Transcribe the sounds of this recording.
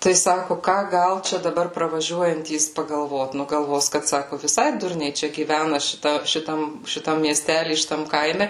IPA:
tɐɪ ˈsɑːkʊ ˈkɑː ˈɡɐlˠ ˈt͡ʃʲɛ dɐˈbɐr prɐʋɐˈʒʲuɔjɛnʲtʲiːs pɐɡɐlˠˈʋoːt ˈnʊ ɡɐlˠˈʋoːs kɐt ˈsɑːkʊ ʋʲɪˈsɐɪ ˈdʊrʲnʲɛɪ ˈt͡ʃʲɛ ɡʲiːˈʋʲænɐ ʃʲɪˈtɐ ʃʲɪˈtɐm ʃʲɪˈtɐm mʲiɛˈsʲtʲælʲiː ʃʲɪˈtɐm ˈkɐɪmʲɛ

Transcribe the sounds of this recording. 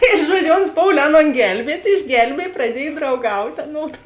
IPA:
ɪr ˈʒuɔd͡ʒʲʊ oːns ˈpoːʊlʲeː ˈɑːˌnoːn ˈɡʲɛlʲbʲiɛtʲ ɪʒʲˈɡʲɛlʲbʲiɛj prɐˈdʲiɛj drɐʊˈɡɐʊtʲeː ɐˈnoːdʊ

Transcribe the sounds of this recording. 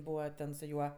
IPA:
ˈbuːʋɐ ˈtʲɛn sʊ ˈjuɔ

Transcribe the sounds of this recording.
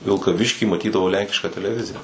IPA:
ʋʲɪlˠkɐˈʋʲɪʃʲkʲiː mɐˈtʲiːdɐʋɐʊ ˈlʲɛŋʲkʲɪʃkɑː tʲɛlʲɛˈʋʲɪzʲɪjɛ

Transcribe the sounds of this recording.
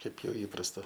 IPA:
ˈkɐɪp ˈjɛʊ ˈiːprɐstɐ

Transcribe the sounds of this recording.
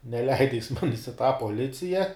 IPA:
nʲɛˈlʲɛɪdɐ jɪs ˈmɑːnʲɪs ɪ tɑː poːˈlʲɪt͡sʲɪjɛ

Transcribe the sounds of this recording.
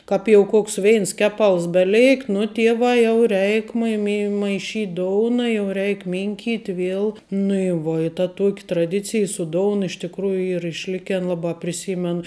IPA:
ˈkɐp jɛʊ ˈkoːks ˈʋʲɛɪns ˈkʲæːˌpɐlˠs bʲɛˈlʲɛɪkt nʊ ˈtʲiɛʋɑː jɛʊ ˈrʲɛɪk mɐɪ mʲɪ mɐɪˈʃʲiːtʲ ˈdoːʊnɐ jɛʊ ˈrʲɛɪk ˈmʲɪŋʲkʲiːtʲ ˈʋʲiɛlˠ nʊ ɪ ˈʋuɔ ɪ tɐ ˈtuɔkʲ trɐˈdʲɪt͡sʲɪj sʊ ˈdoːʊn ɪʃ tʲɪkˈruːjʊ ˈiːr ɪʃʲˈlʲɪkʲɛn lˠɐbɑː pʲrʲɪˈsʲiːmʲɛn

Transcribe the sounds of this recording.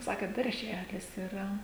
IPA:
ˈsɑːkʲeːt dɐrʲˈʒʲæːlʲɪs ɪˈrɐ

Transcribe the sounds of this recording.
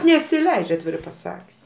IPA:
nʲɛsʲɪˈlʲɛɪt͡ʃʲ ɐtʲˈʋʲɪrɐɪ pɐˈsɐkʲsʲ

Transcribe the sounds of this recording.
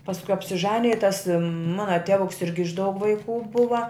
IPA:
pɐsˈkʊ ɐpʲsʲɪˈʒɑːnʲɪjɛ ɪ tɐs ˈmɑːnɐ ˈtʲæːʋʊks ˈɪrʲɡʲɪ ɪʃ dɐʊk ʋɐɪˈkuː ˈbʊʋɐ

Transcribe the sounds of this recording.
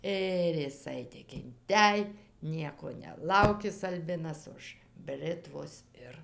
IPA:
ˈɪr jɪˈsɐɪ tʲɪk ɪnʲˈtʲɛj ˈnʲiɛkoː nʲɛˈlˠɐʊkʲɪs ɐlʲˈbʲɪnɐs ʊʃ ˈbʲrʲɪtʋoːs ˈɪr

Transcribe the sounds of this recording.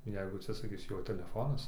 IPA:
ˈjɛɪɡʊ ɐtʲsʲɪsɐˈkʲɪs ˈjoː tʲɛlʲɛˈfoːnɐs

